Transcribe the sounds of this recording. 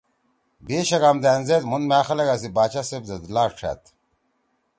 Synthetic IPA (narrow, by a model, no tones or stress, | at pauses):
beːɕɐɡamd̪æːnzet̪munmaːxɐleɡasibaːt͡ɕasebzɐd̪ulaːʂʈ͡ʂʰa̰t̪